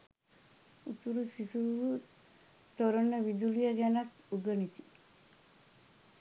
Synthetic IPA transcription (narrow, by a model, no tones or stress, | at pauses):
ut̪uɾusisuʋu | t̪oɾonːəʋid̪ulijɐɡænɐt̪ | uɡənit̪i